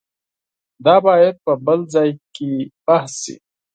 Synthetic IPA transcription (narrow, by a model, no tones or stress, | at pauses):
d̪aːbaːjet̪̚pɐbɐlzaːjkibɐhsḭ